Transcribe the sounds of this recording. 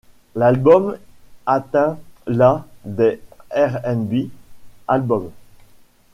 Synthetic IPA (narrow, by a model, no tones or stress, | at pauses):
lalbɔmat̪ɛ̃lad̪eɛʁɛnbialbɔm